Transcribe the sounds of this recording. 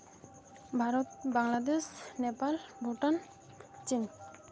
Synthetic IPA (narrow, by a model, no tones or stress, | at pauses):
bʱaɾbaŋlad̪esnepalbuʈan | t͡ɕiŋ